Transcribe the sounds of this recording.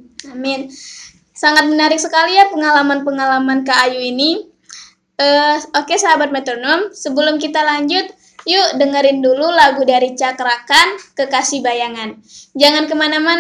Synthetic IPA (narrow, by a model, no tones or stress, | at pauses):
amɪn | saŋat̪̚mənaɾɪk̚səkalijapəŋalamanpəŋalamankaːjuini | əokesaɦabat̪̚met̪ɾonɔmsəbəlʊmk̬it̪alaɲd͡ʒʊt̪̚ | judəŋəɾɪndululaɡudaɾit͡ʃakəɾakankəkasibajaŋand͡ʒaŋankəmanaman